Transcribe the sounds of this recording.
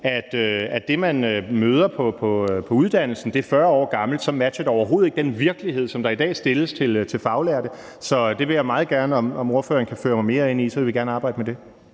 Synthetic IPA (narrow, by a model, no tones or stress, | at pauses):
æd̥øæd̥e̝mænømøːð̞ˠɐpʰɒ̽pʰɒ̽pʰɒ̽uðˠd̥æn̰l̩sn̩d̥e̝æɐfɶɐɒ̰ːɡ̥ɑ̈ml̩d̥sɒ̽mæd̥ɕɐd̥ɒʊɐɦo̝ːð̩ˠeɡ̥̚d̥enʋiɐɡ̥əlihe̝ð̞̰ˠsɒ̽md̥ɑ̈id̥ɛ̰ːsd̥e̝ləst͡sʰe̝lt͡sʰe̝lfɑ̈ʊlæɐd̥ə | sɒ̽d̥e̝ʋe̝jäɪmɑ̈ːð̞̩ˠɡ̥æɐnəɒ̽mɒ̽mo̝ɐfø̰ːɐnkʰæfø̰ːɐmɑ̈ɪme̝ːɐe̝n̰isɒ̽ʋe̝lʋiɡ̥æɐnəɑ̈ːb̥ɑ̈ɪ̰dəmed̥e̝